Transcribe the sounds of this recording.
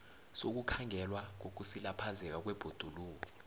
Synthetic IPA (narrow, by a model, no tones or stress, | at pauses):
sok̬ukʰaŋʱɛlwaŋok̬usilapʰazɛk̬ak̬wɛb̥ʱod̥ʱuluːk̬ɔ